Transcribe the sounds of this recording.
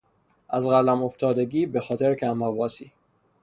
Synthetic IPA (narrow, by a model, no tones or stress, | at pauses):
ʔæzɣælæmo̞ft̪ʰɒːd̪e̞ɡiːbexɒːt̪ʰeɾcʰæmɒvɒːsiː